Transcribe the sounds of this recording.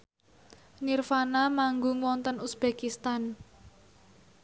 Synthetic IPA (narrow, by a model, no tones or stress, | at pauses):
nirfanamaŋɡʊŋwɔnt̪ənusb̥ekist̪an